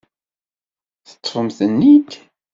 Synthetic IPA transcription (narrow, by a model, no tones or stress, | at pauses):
θə̥t̪ˤːfəmθənːit̪